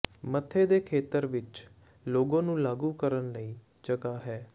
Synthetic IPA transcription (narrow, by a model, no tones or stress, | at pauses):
mət̪ʰːeːd̪eːkʰeːt̪əɾʋɪt͡ʃ | loːɡãːnũːlaːɡuːkəɾənləiː | d͡ʒəɡaːɦɛː